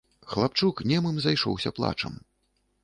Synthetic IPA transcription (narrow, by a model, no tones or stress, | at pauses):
xlˠapt͡ʂuknʲɛmɨmzajʂɔ̰wsʲɐplˠa̰t͡ʂɐ̰m